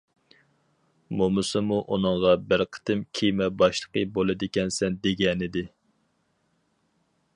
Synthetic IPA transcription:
momɨsɨmuʔunɨŋʁɑbɪɾqʰə̥t̪ɨmkʲʰijmɛbɑʃlˠə̥qəbolˠɨd̪ɪkʲɛnsɛnd̪eɡʲɛnɪd̪ɪ

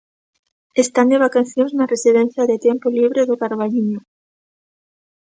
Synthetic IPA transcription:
est̪and̪eβakaθjõŋznaresiðẽnθjaðet̪jempoliβɾeðokaɾβaʎiɲo

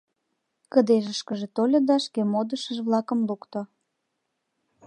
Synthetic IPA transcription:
kəd̪eʒəʃkəʒet̪olʲod̪ɑʃkemod̪əʃəʒβlɑkə̆mlukt̪o

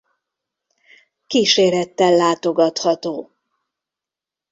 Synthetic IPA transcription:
kiːʃeːɾɛt̪ːɛlːaːt̪o̞ɡɒt̪hɒt̪oː

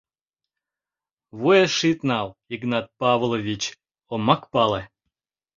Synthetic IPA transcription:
βujeʃit̪nɑliɡnɑt̪̚pɑvlˠovʲit͡ɕ | omːɑkpɑle

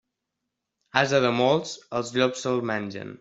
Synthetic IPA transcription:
azəðəmolˠsəlˠzʎɔksəlˠmɛnʲʒə̰n

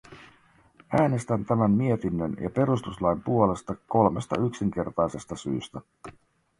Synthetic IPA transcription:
æːne̞st̪ænt̪æmæmmie̞t̪inːønjɑ̰pe̞ɾust̪uslɑjmpuo̞le̞st̪ɑko̞lmest̪ɑ̰yksiŋk̟e̞rt̪ɑjse̞st̪ɑsy̰ːst̪æ

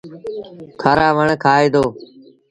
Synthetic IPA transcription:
kʰaːɾaːʋəɳkʰaːeːd̪oː

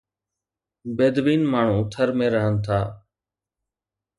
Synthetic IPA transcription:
beːd̪ʋiːnmaːɳ̤ũːt̪ʰəɾmẽːɾəɦənt̪ʰaː

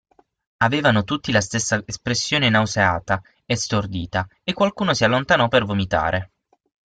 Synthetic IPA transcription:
aveːvanot̪ut̪ːilast̪esːaespɾesːjoːnenawseaːt̪a | est̪ord̪iːt̪aekːwalkuːnosialːont̪anɔpːervomit̪a̰ːɾʔe

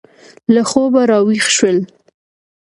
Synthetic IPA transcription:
laxobaɾɑwixʃwəl

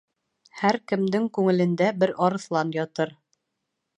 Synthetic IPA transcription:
hæɾkɘ̆md̪ɘŋkʉŋɘ̆lɘ̆nd̪æbɘɾɒɾɤ̆θlˠɑnjɒt̪ɤɾ

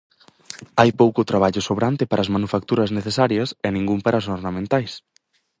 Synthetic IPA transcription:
ajpowkʊt̪ɾaβaʎʊsoβɾant̪ɪpaɾaːzmanufak̚t̪uɾɐzneθesaɾjɐsɛnĩŋɡumpaɾʔas̬oɾnamẽnt̪ajs

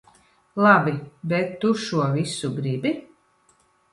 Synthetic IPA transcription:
lˠabʲibɛt̪ːuʃuɔvʲisuɡɾibi

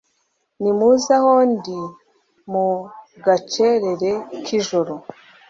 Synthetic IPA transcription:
nimuzahondi | mu | ɡat͡ʃeɾe̞ɾe̞kʰiʒoɾo

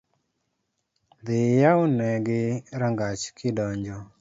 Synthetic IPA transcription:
d̪ɪjaʊnɛɡɪɾaŋɡat͡ʃkɪdɔɲd͡ʒɔ

